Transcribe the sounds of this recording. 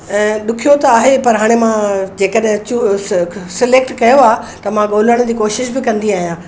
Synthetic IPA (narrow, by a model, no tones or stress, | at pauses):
ɛ̃ːɗʊkʰijot̪ɐaːɦepɐɾɦaːɽ̃emãd͡ʑeːkəɗɦɪ̃t͡ɕuːsɪleːk̚ʈkɐjoaːɦt̪ɐmãɠoːl̤əɽ̃d͡ʑiːkoːʃɪʃbɪkɐ̃nd̪iaːɦijãː